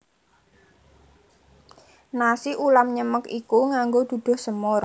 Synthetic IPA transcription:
nasiʔulamɲəməkikuŋaŋɡod̪̥ṳd̪̥ʊ̤hsəmoɾ

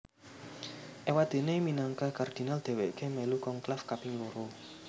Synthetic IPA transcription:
ʔewad̪̥e̤neminaŋkakard̪̥i̤nald̪̥e̤weʔkemelukɔŋklafkapɪŋloɾo

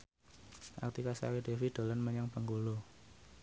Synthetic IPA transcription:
ʔa̰k̚t̪ikasa̰weɖ̥e̤fid̪̥o̤lənməɲaŋpəŋɡulu

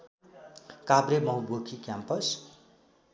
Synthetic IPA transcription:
kabɾemʌɦũbokʰikjampʌs

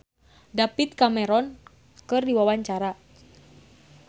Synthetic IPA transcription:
dapit̪̚kamɛɾɔn | kɨrdiwawaɲt͡ʃaɾa

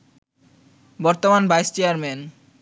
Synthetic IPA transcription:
bɔɾt̪omanbajst͡ɕeaɾmen

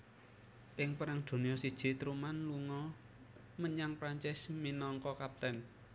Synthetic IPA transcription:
ʔɪŋpəɾaŋd̪̥o̤nijɔsid̥ʒ̥i̤t̪ɾumanluŋɔ | məɲaŋpɾaɲt͡ʃɪsminɔŋkɔkap̚t̪ɛn

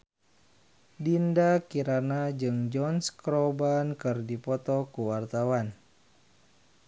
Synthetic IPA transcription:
dindakiɾanad͡ʒɨŋd͡ʒɔnskɾɔbankɨrdipɔt̪ɔkuwart̪awan

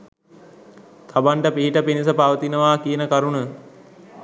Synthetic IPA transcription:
t̪ʰabaɳʈəpiɦiʈəpinisəpaʋət̪inəʋaːkijənəkaɾunə

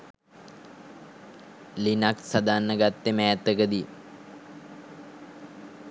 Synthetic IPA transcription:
linaksad̪anːəɡat̪ːemɛːt̪ːəkəd̪i

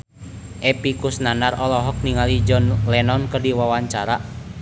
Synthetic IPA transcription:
ʔɛpikusnanarɔlɔɦɔk̚niŋalid͡ʒɔnlɛnɔnkərdiwawaɲt͡ʃaɾa

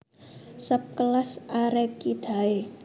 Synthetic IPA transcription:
səp̚kəlasʔaɾekid̪̥a̤e

